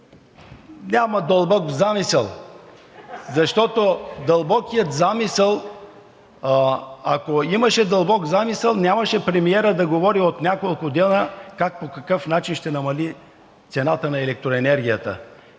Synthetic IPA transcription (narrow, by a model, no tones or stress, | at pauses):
nʲamɐd̪əlˠbɔkvzamisɛlˠ | zɐʃt̪ɔt̪od̪ɐlˠbɔkijət̪zamisɛlˠ | akoiməʃɛd̪əlˠbɔkzamisəlˠnʲamɐʃɛpɾɛmiɛɾəd̪ɐɡovɔɾiot̪nʲakolˠkʊd̪ɛnəkak̚pokɐkɤfnat͡ʃinʃt̪ɛnɐmɐli | t̪sɛnat̪ənɐɛlɛk̚t̪ɾoɛnɛɾɡʲijət̪ə̰